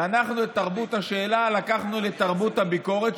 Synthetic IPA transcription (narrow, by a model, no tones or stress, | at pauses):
anaχnuet̪aʁbut̪haʃeːlalakaχnule̞t̪aʁbut̪habiko̞ʁet̪